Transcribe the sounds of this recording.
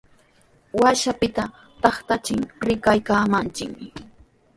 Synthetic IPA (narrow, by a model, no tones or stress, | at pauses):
waʃapɪt̪a | t̪ɑχt̪at͡ʃɪŋɾɪkajkaːmant͡ʃɪkmɪ